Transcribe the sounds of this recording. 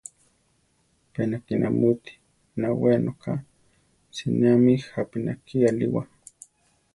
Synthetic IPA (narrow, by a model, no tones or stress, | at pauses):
penakinʔa̰mut̪i̥ | nawenokʰa | sinamihapinakialiwa